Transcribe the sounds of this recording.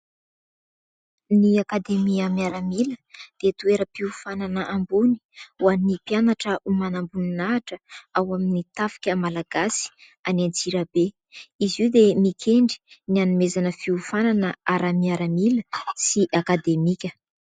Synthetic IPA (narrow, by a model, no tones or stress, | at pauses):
niakad̪emiamiaɾamiləd̪̥et̪ueɾəpiufananəʔambuni̥uanipianaʈ͡ʂəumanambuninaːʈ͡ʂəawaminit̪afi̥kʲəmalaɡ̥asi̥ | anant͡siɾabe | iziwd̪emikʲʰeɳɖ͡ʐi̥nianumezanəfiufananəaɾamiaɾəmiləsiʔakad̪emikʲə